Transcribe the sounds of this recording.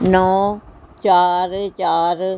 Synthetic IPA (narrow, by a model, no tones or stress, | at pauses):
nɔːt͡ʃaːɾt͡ʃaːɾ